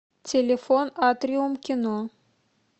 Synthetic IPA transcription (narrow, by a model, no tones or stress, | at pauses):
tʲelʲefonat̪rʲiumkʲino